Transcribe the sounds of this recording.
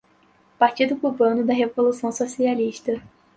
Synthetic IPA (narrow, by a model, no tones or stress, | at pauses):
paɾt͡ʃid̪ʊkubɐ̃nʊd̪ɐɦevolusɐ̃w̃sosialiʃt̪ɐ